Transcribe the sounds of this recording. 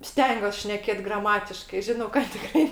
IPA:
ˈsʲtʲɛŋʲɡʲuɔs ʃʲnʲɛˈkʲeːt ɡrɐˈmɑːtʲɪʃkɐɪ ˈʒʲɪnɐʊ kɐt tʲɪˈkrɐɪ

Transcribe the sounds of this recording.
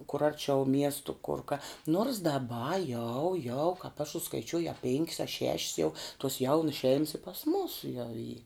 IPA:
kʊr ˈɐrʲt͡ʃʲɛʊ ˈmʲiɛstʊ kʊr kɐ noːrs dɐˈbɐ jɛʊ jɛʊ kɑːp ɐʃ sʊskɐɪˈt͡ʃʲuɔj ɐ pʲeːŋʲkʲs ɐ ʃʲɛʃʲs jɛʊ tuɔs ˈjɛʊnʊs ʃʲɛɪms ɪ pɐs ˈmuːsʊ jɛʊ iː

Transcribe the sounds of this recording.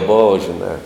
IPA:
ˈboːʋɐ ʒʲɪˈnɑː

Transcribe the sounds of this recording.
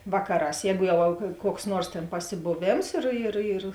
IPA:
ˈʋɑːkɐˌrɑːs ˈjɛːɡʊ ˈjɛʊ kuɔks ˈnuɔrs tʲeːn pɐsʲɪboːˈʋʲeːms ɪr ɪr ɪr

